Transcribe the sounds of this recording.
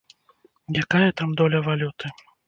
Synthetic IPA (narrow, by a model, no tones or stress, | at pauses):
jakajɐt̪amd̪ɔlʲɐvalʲut̪ɨ